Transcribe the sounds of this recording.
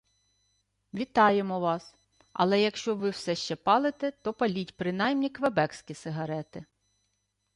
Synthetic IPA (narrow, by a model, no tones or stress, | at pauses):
ʋʲit̪ɑjemɔʋɑs | ɐ̰lˠɛjɐkʃt͡ʃɔʋɪwsɛʃt͡ʃɛpɑlˠɪt̪ɛt̪ɔpɐlʲitʲpɾɪnɑjmnʲikʋebɛksʲkʲisɪɦɐɾɛt̪ɪ